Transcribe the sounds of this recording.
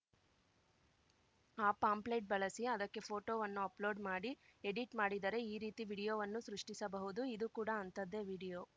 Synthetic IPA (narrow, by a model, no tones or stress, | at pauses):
aːpaːmplejʈ̚bɐɭɐsiɐd̪ɐkːe̞pʰo̞ːʈoːʋɐnːuɐplo̞ːɖmaːɽieɽiʈmaːɽid̪ɐɾe̞iːɾiːt̪iʋiːɽijoːʋɐnːusɾuʂʈisɐbɐɦud̪uid̪ukuːɽɐɐnt̪ɐd̪ːe̞ʋiːɽijo̞ː